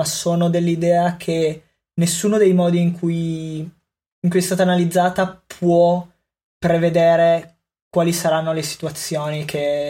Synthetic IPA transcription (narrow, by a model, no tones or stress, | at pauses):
asoːnod̪elːid̪ɛːakʰe | nesːuːnod̪ejmɔːd̪iːŋkʰuj | iŋkujɛst̪aːt̪aːnalid̪zːaːt̪apʰwɔ | pɾeved̪eːɾe | kwaːlisaɾanːolesi̥t̪uat̪sːjoːnikʰe